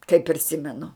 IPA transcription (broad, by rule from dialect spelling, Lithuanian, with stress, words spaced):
kɐɪ pʲrʲɪˈsʲɪmʲɛnʊ